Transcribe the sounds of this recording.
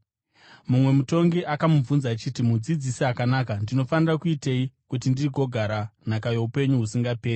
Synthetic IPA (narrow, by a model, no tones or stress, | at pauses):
mumwe̞muto̞ŋɡiʔakamuvunzaːt͡ʃitimud͡zid͡zisiɦakanaːkandino̞fanirakuiteikut̬indiriko̞ɡʱaɾan̤akajo̞upe̞ɲuɦusiŋɡape̞ːri